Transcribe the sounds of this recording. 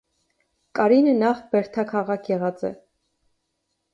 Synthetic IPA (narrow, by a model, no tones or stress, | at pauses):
kʼɑɾinənɑχbɛɾt̪ʰɑkʰɑʁɑkʰjɛʁɑt͡sɛ̰